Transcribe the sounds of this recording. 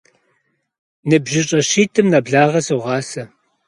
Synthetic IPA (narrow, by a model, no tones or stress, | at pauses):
nɨbʒɪɕʼɐɕiːtʰɨmnɐbɮaːʁɐsoʁɑːsɐ